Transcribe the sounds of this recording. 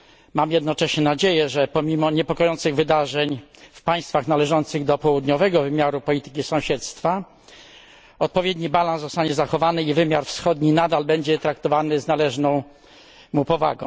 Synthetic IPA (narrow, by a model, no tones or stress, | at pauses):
mamjɛd̪nɔt͡ʂɛɕɲɛnad͡ʑejɛʐɛpɔmʲimɔɲɛpɔkɔjɔnt̪sɘɣvɘd̪aʐɛɲfpaj̃st̪faxnalɛʐɔnt̪sɘɣd̪ɔpɔwud̪ɲɔvɛɡɔvɘmʲjaɾupɔlʲit̪ɘ̥kʲisɔ̃w̃ɕɛt̪st̪fa | ɔt̪̚pɔvʲjed̪ɲibalãnszɔst̪aɲɛzaxɔvanɘivɘmʲjaɾfsxɔd̪ɲinad̪albɛɲd͡ʑɛt̪ɾak̚t̪ɔvanɘznalɛʐnɔ̃w̃ | mupɔva̰ɡɔ̰̃